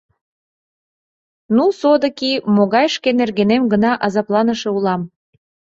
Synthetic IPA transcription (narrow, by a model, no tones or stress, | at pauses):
nusod̪ə̆kimoɣɑjʃkenerɣenemɡənɑʔɑzɑplɑnəʃeulɑm